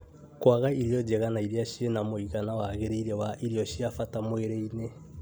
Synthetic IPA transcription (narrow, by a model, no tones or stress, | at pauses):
kwaɣaiɾjɔd͡ʒɛɣanaiɾiaʃienamoiɣanawaɣeɾeiɾewaʔiɾiɔʃiafatamoeɾeine